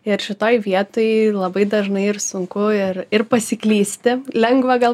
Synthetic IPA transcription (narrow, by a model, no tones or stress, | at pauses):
ɪɾʃʲɪt̪oːjʋʲiɛt̪oːjlˠɐbɐɪd̪ɐʒnɐɪɪrsʊŋkʊɪɾɪrpɐsʲɪklʲiːsʲt̪ʲɪlʲɛŋɡʋɐɡɐlˠ